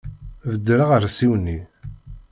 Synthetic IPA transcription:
vəd̪ːɾaʁəɾsiwnːi

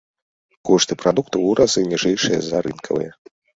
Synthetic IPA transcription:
kɔʂt̪ɨpɾad̪uk̚t̪ɐuɾɐzɨnʲiʐɛjʂɨjɐ̰zɐɾɨnkʰɐvɨ̰jɐ

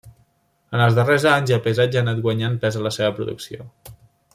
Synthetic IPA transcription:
ənəlˠzðərezaɲzapəzad͡ʒanat̪ɡwəɲanpɛzələseβəpɾṵðṵksio̰

